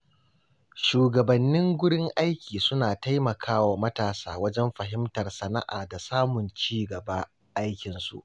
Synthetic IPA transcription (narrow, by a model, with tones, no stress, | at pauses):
ʃuː˨ɡɐ˨bɐ˨nːɪ˦ŋɡʷʊ˦ɽɪ˦ŋʔa˦jkʲiː˨sʊ˦naː˨ta˦jmɐ˨kʰaː˦waː˨mɐ˦taː˨saː˦wɐ˦d͡ʒɛ˦mɸɐ˨ɦɪ˦mtɐ˨rsɐ˦na̰˦ʔaː˨da˨saː˦mʊ˨nt͡ʃiː˦ɡɐ˨ba˦ | ʔa˦jkʲɪ˨nsṵ˨ʔ